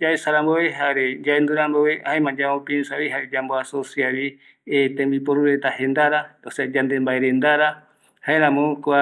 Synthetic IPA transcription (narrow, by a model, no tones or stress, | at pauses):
d͡ʒaesaɾamboeɦaɾed͡ʒaend̪uɾãmboβeʔaemãd͡ʒaõpensaβiɦaed͡ʒamboasosiaβi | et̪ẽmbipoɾuɾet̪ahẽnd̪aɾat̪osad͡ʒãnd̪embaeɾend̪aɾa | haeɾãmõkoa